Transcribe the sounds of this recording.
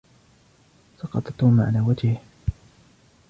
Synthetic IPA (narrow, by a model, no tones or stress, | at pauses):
sɑqɑt̪ˤɑt̪ːuːmaʕalaːwad͡ʒɪh